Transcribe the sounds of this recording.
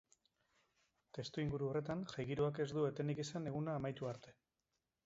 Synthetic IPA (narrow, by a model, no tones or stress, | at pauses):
t̪e̞st̪uiŋɡuɾuo̞re̞t̪anʝajɣiɾuake̞zd̪ue̞t̪e̞nikesane̞ɣ̞unaːmajt̪uaɾt̪e̞